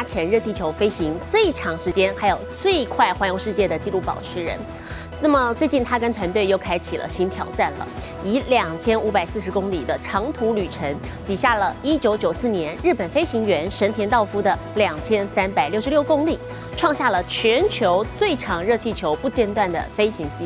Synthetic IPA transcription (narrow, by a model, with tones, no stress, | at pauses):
a˥ʈ͡ʂʰə˧˥nɻɤ˥˧t͡ɕʰi˥˩t͡ɕʰjo˧˥ʊfe˥ɪɕi˧˥ŋt͡swe˥˩ɪʈ͡ʂʰɑ˧˥ŋʂɻ̩˧˥t͡ɕjɛ˥nxa˧˥ɪjo˨˩ʊt͡swe˥˧ɪkʰwa˥˩ɪxwa˧˥njo˧ŋʂɻ̩˥˧t͡ɕjɛ˥˩d̪ə˩t͡ɕi˥˧lu˥˩pɑ̰˨˩ʊʈ͡ʂʰɻ̩˧˥ɻə̰˧˥n | na˥˩mə˩t͡swe˥˧ɪt͡ɕi˥˩nt̪ʰa˥kə˥nt̪ʰwa˧˥nt̪we˥˧ɪjo˥˩ʊkʰa˥ɪt͡ɕʰi˨˩lʔə̰˦ɕi˧˥nt̪ʰjɑ̰˨˩ʊʈ͡ʂa˥˩nlə̰˩ | i˧˥ljɑ˨˩ŋt͡ɕʰjɛ˥nu˧˥pa˨˩ɪsɹ̩˥˩ʂ̬ɻ̩˧˥kʊ˥ŋli˨˩d̪ə˦ʈ͡ʂʰɑ˧˥ŋt̪ʰu˧˥ly˨˩ʈ͡ʂʰə˧˥n | t͡ɕi˨˩ɕja˥˩lə˩i˥t͡ɕjo˧˥ʊt͡ɕjo˨˩ʊsɹ̩˥˩njɛ˧˥nɻɻ̩˥˩pə˨˩nfe˥ɪɕi˧˥ŋɥɛ˧˥nʂə˧˥nt̪ʰjɛ˧˥nt̪ɑ˥˩ʊfu˥d̪ə˨ | ljɑ˨˩ŋt͡ɕʰjɛ˥nsa˥npa˨˩ɪljo˥˩ʊʂɻljo˥˩ʊkʊ˥ŋli˨˩ | ʈ͡ʂʰwɑ˥˧ŋɕja˥˩lə˩t͡ɕʰɥɛ˧˥nt͡ɕʰjo˧˥ʊt͡swe˥˩ɪʈ͡ʂʰɑ˨˩ŋɻɤ˥˧t͡ɕʰi˥˩t͡ɕʰjo˧˥ʊpu˥˧t͡ɕjɛ˥˧nt̪wa˥˩nd̪ə̰˩fe˥ɪɕi˧˥ŋt͡ɕi˥